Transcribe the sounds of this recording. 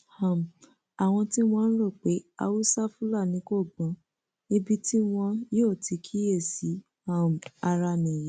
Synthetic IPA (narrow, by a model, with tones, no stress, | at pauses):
ha˨m˨ | a˨w̃ɔ̃˧ti˦w̃ɔ̃˦n̩˦ɾo˦˨k͡pe˨˦a̰˧wu˦sa˦fũ˦la˦˨nĩ˨˦ko˦˨ɡ͡bã˨˦ | i˧bi˦ti˦w̃ɔ̃˧jo˦˨ti˨˧kʰi˦je˦˨si˨˦ | a˦˨m˨a˧ɾa˧nĩ˨je˨˦